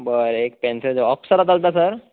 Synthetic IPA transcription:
bəɾek̚pɛnsed͡ʑɔfsəɾat̪alt̪asəɾ

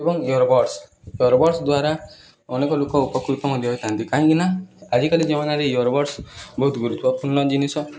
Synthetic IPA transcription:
ebɔŋjɔɾbɔɾs | jɔɾbɔɾsd̪waɾa | ɔnekɔlokɔupɔkɾut̪ɔmɔd̪ʱjɔɦojt̪ʰaɦnt̪ikaɦĩɡinaad͡ʒikalid͡ʒemanaɾejuɔɾbɔɾsbɔɦut̪ɡuɾut̪ʰbɔpuɾnɔd͡ʒinisɔ

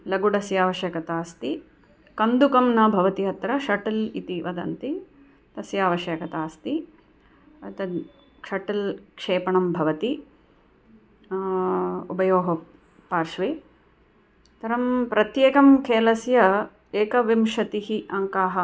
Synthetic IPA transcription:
lɐɡuɖɐsjaːʋɐʃjɐkɐt̪aːst̪i | kɐnd̪ukɐmnɐbʱɐʋɐt̪iɦɐt̪ɾɐʃɐʈɐlḭt̪iʋɐd̪ɐ̰nt̪i | t̪ɐsjaːʋɐʃjɐkɐt̪aːst̪i | ɐt̪ɐ | kʂɐʈɐlkʂeːpɐɳɐmbʱɐʋɐt̪i | ubɐjoːɦɐ | paːɾʂʋeː | t̪ɐɾɐmpɾɐt̪jeːkɐmkʰeːlɐsjɐ | eːkɐʋimʂɐt̪iɦiʔɐŋkaːɦɐ

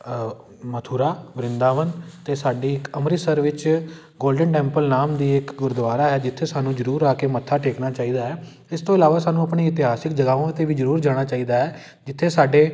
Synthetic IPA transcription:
mət̪ʰuːɾaːbɾɪnd̪aːʋənt̪eːsaːɖiːɪkəmɾiːsəɾʋɪt͡ʃ | ɡoːlɖəɳʈɛ̃ːmpəlnaːmd̪iːɪkɡʊɾd̪ʋaːɾaːɦɛːd͡ʒɪt̪ʰːeːsaːnũːd͡ʒəɾuːɾaːkeːmət̪ʰːaːʈʰeːknaːt͡ʃaːiːd̪aːɦɛː | ɪst̪õːɪlaːʋaːsaːnũəpɳeːɪt̪ɪɦaːsɪkd͡ʒəɡaːʋõːt̪ːeːʋiːd͡ʒəɾuːɾd͡ʒaːɽ̃aːt͡ʃaːiːd̪aːɛː | d͡ʒɪt̪ʰːeːsaːɖeː

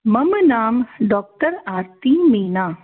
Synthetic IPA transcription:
mɐmnaːmɖɔːk̚ʈəɾaːɾt̪imiːnaː

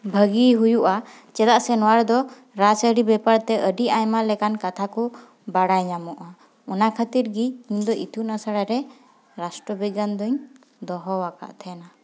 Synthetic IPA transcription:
bʱəɡiɦujuʔa | t͡ʃɛd̪aʔsɛnɔwaɾd̪ɔ | ɾasəɽibɛpaɾt̪ɛʔəɖiʔajmalɛkankat̪ʰakɔ | baɽajɲamɔʔa | unakʰat̪iɾɡiiɲd̪ɔʔit̪ʰunasaɽaɾɛ | ɾasʈɾɔbiɡand̪ɔɲ | d̪ɔɦɔwaka̰ʔt̪ʰɛna

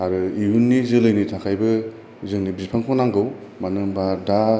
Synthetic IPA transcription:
aɾɯiunːizɯlɯjnitʰakʰajbɯ | zɯŋnibipʰaŋkʰɔnaŋɡɯwmanɯmbada

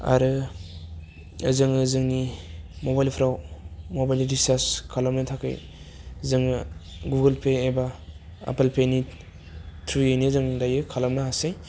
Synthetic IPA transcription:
a̰ɾɯ | ɯzɯŋɯzɯŋnimobajlpʰɾawmobajlidistaskʰalamnɯtʰakʰɯ̰j | zɯŋɯɡuɡɯlpʰeebaa̰pelpʰeni | tʰɾujejnizɯŋdajɯkʰalamnahasaj

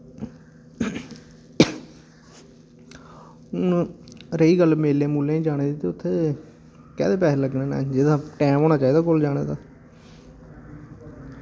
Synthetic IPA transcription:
ɾəiːɡəlmeːleːmuːlẽːĩːd͡ʒaːɽ̃eːd̪iːt̪eːʊt̪ʰːeː | kɛːd̪eːpɛːsːləɡneːna̰ːd͡ʒɪd̪aːʈɛ̃ːmoːñaːt͡ʃaːiːd̪aːkʊld͡ʒaːɽ̃ḛːd̪aː

